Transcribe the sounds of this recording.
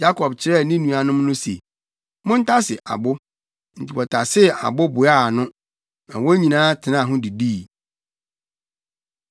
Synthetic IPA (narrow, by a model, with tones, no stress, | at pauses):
ja˦kʰɔ˨bt͡ɕʰɪ˦ɾɛ˦˨nɪ̃˦nũ˨a˨nʊ̃˦m˦nʊ̃˦se˨ | mʊ̃˦n̩˦tʰa˦sɪ˨ʔa̰˨bʊ˦ | n̩˨tʰi˨wɔ˨tʰa˨sɪ˦˨a̰˨bʊ˦bʊ˨a˦˨nʊ̃˦ | nã̰˨wɔ˦ɲĩ˨nãː˦tʰɪ˨nã˦˨ɦʊ̃˦di˨di˦˨